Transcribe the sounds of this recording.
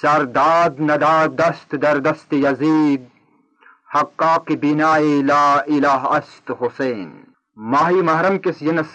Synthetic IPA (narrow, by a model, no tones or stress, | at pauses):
sɐɾd̪aːd̪nɐd̪aːd̪ɐst̪d̪ɐɾd̪ɐst̪ijɐziːd̪̚ | hɐqːaːqibinaːilaːilaːɦɐst̪huseːn | maːɦiːmɐɦɾɐmkisjɐnɐs